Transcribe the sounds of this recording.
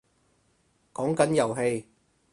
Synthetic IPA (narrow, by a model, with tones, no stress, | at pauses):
kɔː˨˥ŋkɐ˨˥njɐ˨˩wɦe˧j